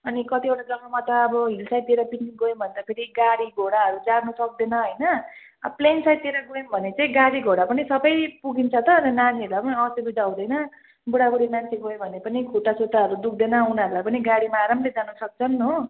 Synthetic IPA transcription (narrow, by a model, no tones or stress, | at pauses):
ʌnikʌt̪ieʈad͡zʌŋɡʌmʌt̪ʌːbʌɦilsajt̪ieɾapiʈniɡojmbʱʌnd̪apʰeɾiɡaɽiɡʱoɽaɦʌɾud͡zarnusʌk̚d̪enʌɦojnʌ̰ | plensajt̪ieɾaɡojembʱʌnet͡saĩɡaɽiɡʱoɽapʌnisʌbʌjpuɡint͡sʰʌt̪ʌnʌnaniʌɾulajpʌniʌʌst̪ebud͡zaw̃d̪ʌjnʌ | buɽabuɽimant͡sʰeɡojobʱʌnepʌnikʰuʈasot̪aʌɾud̪uk̚ʰd̪enʌunaɾulajpʌniɡaɽimaɾʌmled͡zanusʌk̚t͡sʰʌnːo